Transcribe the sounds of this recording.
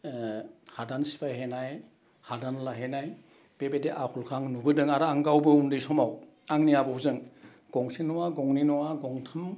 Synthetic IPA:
hadansi̥pʰajɦenaj | hadanlaɦenaj | b̥ebedeʔakʰulkʰaŋnubɯdɯŋaɾaŋɡawbɯundɯjsɔmaw | aŋniabɔwzɯŋ | ɡ̥ɔŋsinɔwaɡɔŋninɔwaɡɔŋtʰam

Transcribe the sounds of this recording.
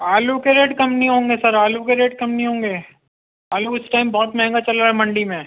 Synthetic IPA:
aːlukeɾeːɖkɐmpniɦõːŋɡesɐɾaːlukeɾeːɖ̚kɐmniɦõːŋɡeː | aːluɪsʈaːɪmbɔːt̪mɐɦɛ̃ŋɡat͡ʃɐlɾaːɦɛmɐ̃ɳɖimẽː

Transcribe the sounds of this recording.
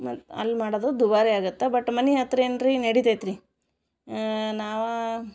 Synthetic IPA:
mɐɐ̰lːmaːɽod̪oːd̪ubaːɾeaːɡut̪ːebɐʈːmɐniɦɐt̪ɾenɾinɐɽit̪et̪ɾi | naːʋɐ

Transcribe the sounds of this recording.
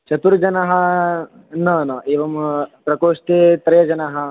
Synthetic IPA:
t͡ʃɐt̪uɾd͡ʒɐnɐɦɐ | nɐnɐeːʋɐmpɾɐkoːʂʈ̪eːt̪ɾɐjɐd͡ʒɐnɐɦɐ̆

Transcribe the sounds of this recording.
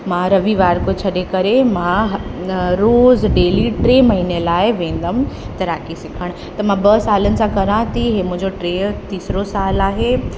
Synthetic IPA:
mãːɾɐʋiʋaːɾkot͡ɕʰɐɗekɐɾemãɦɾoːzɖeːliʈɾeːmɐɦiːnelaːɪʋẽːn̆d̪əmt̪ɐɾaːkisɪkʰəɽ̃ | t̪ɐmãbɐsaːlənɪ̆sãkɐɾãːt̪ʰiɦeːmʊ̃ɦɪ̃ɲd͡ʑoʈɾeːt̪iːsɾosaːlaːɦe

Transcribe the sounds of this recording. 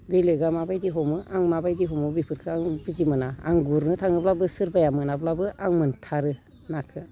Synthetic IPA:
belɯjɡamabajdiɦɔmɯʔaŋmabajdiɦɔmɯbipʰɯɾkʰɯaŋbizimɯna̰ːŋɡuɾnɯtʰaŋɯblabɯsɯɾbajamɯnablabɯʔaŋmɯntʰaɾɯ | nakʰɯ

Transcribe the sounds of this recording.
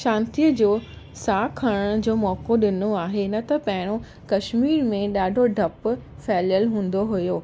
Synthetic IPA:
ʃãːnt̪ijəd͡ʑoː | saːkʰɐɽəɽ̃d͡ʑoːmɔːkoɗɪnoaːɦenɐt̪ɐpɐ̃ɦɪɽ̃o | kɐʃmiːɾmẽɗaːɖʱoɖʱɐp | fɛːljəlɦũːn̆d̪oɦʊjoː

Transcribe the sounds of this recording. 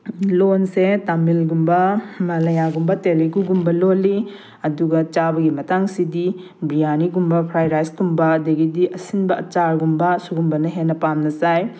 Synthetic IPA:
lonsetamilɡumbɐmɐlɐjaɡumbɐteliɡuɡumbɐlolːi | ɐduɡɐt͡ʃabɐɡimɐtaŋsidi | bijaniɡumbɐpʰɾajɾajsɡumbɐːdɐɡidiʔɐsinbɐɐt͡ʃaɾɡumbɐsuɡumbɐnɐɦenːɐpamnɐzaj

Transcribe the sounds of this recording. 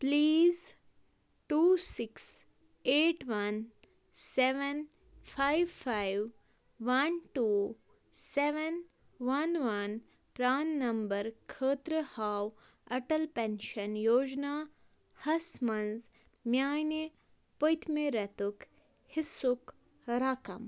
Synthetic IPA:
pliːz | ʈuːsɪks | eːʈʋɐn | seʋen | pʰajʋpʰajʋː | ɐnʈuː | seʋen | ʋɐnʋɐn | pɾaːnːɐmbɐɾkʰəːt̪ɾəhaːw | ɐʈɐlpenʃɐnjoːd͡ʒnaː | hɐsmɐnz | mjaːjne | pojt̪ʰmeɾɐt̪uk | hɪsuk | ɾakɐ̰m

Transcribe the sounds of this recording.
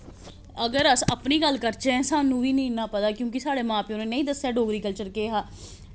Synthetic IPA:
əɡəɾəsəpniːɡəlkəɾt͡ʃeɛ̃saːnũːʋiːnĩːnaːpət̪aːkjõːkisaːɽeːmãːpeonẽːnəĩːd̪əsːɛːɖoːɡɾiːkəlt͡ʃəɾkeːɦaː

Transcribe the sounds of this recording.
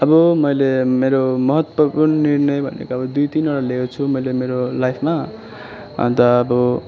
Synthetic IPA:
ʌbʌmʌjlemeɾomʌɦʌt̪wʌpurnʌnirnʌjbʱʌ̰nḛkoʌbʌd̪ujt̪inoɽalekot͡sʰumʌjlemeɾolajpʰma̰ | t̪ʌːbʌ

